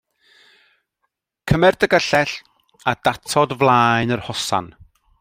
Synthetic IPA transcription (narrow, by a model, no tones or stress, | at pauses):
kʰəmɛrdəɡəɬɛɬ | ad̥atʰɔdvlˠaːjnərhɔsa̰n